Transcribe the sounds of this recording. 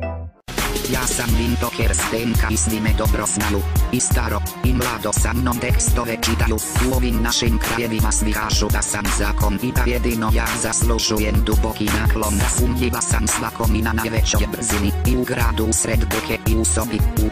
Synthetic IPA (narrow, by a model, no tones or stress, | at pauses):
jaːsamvint̪ɔkʰɛɾst̪ɛŋkaisʋimɛd̪ɔbɾɔznajuist̪aɾɔimlad̪ɔsamnɔnt̪ɛkst̪ɔʋɛt͡ʃit̪ajusuɔvimnaʃimkɾajɛvimasʋikaːʒud̪asamzaːkɔnibajɛd̪inɔjazasluʒujɛmd̪ubɔkinaːklɔnasumʎilasamslakɔminanavɛt͡ʃɔɛbziniiuɡɾad̪usɾɛd̪bukɛiusɔbiu